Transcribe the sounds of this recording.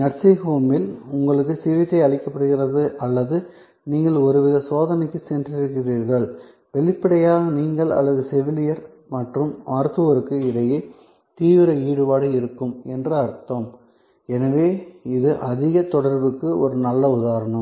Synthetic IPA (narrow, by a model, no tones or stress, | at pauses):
ɲɐɾsɐɦoːmɪlʊŋɡɐɭɯk̬ːɯsɪʋɪt̪ːɐɪɐɭɪkːɐpːɐɽɯɣɪrɐðɯʔɐlːɐðɯ | niːŋɡɐɭɔɾɯʋɪðɐsoːðɐnɛɪkːɯsɛndrɪɾɯkːɪriːɾɣɐɭ | ʋɛɭɪpːɪɽɐjaːɣɐniːŋɡɐɭɐ̰lːɐðɯsɛʋɪlɪjɐɾ | mɐʈrɯmaːɾt̪ɯʋɐɾɯkːɯɪðɐjeː | t̪iːʋɪɾɐiːɽɯpaːɽɯɪɾɯkːɯmɛndrɯɐɾt̪ːoːm | ɛnɐʋeːɪðɯʔɐðɪɣɐt̪ɔɽɐɾbɯkːɯʔɔɾɯnɐlːɐʊðaːɾɐɳɐm